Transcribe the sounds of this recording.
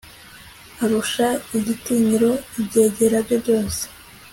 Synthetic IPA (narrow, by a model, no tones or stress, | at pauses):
aɾuʃaiɟitiːɲiɾo̞ibɟe̞ːɟe̞ɾabjobɟo̞ːse̥